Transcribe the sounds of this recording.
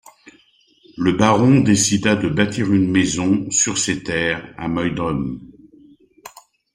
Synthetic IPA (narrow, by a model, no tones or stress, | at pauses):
ləbaʁɔ̃d̪esid̪ad̪əbat̪iʁynmezɔ̃syʁset̪ɛːʁa̰mœjd̪ɔm